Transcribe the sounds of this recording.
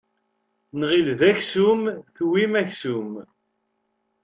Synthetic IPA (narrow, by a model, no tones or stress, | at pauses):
nʁilðæçsumθwimæçsum